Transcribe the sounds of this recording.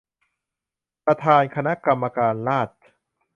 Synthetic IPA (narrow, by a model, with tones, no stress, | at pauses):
pɾa˧t̪ʰaː˧nkʰa˧na˦˥ʔka˧mːa˧kaː˧nlaː˥˩t̪̚